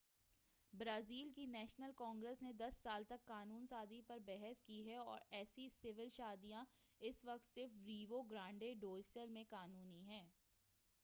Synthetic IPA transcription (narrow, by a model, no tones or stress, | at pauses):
bɾaːziːlkinɛːʃnəlkɔ̃ːŋɡɾəsned̪ɐsːaːlt̪ɐkːaːnuːnsaːzipɐɾbɛɦɛskiɦɛɔ̰ːɾɛːsisɪʋɪlʃaːd̪ijãɪsʋɐk̚t̪sɪɾfɾiːʋoɡɾãːɳɖeɖoːsəlmẽkaːnuːniɦɛ̃ː